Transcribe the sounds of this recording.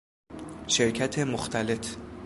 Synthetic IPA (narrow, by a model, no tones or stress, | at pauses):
ʃeɾcʰæt̪ʰemoxt̪ʰæle̞t̪